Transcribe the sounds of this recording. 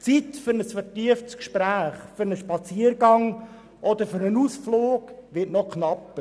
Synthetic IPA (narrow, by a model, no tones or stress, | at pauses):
t͡sit̪fʏɾnəsfəɾtiəftskʃpɾæːχfʏɾnəʃpɑt͡siːəɾɡɑŋ | ʔɔd̪əɾfʏɾnənuːsfloːɡʋɪtnɔkχnɑpə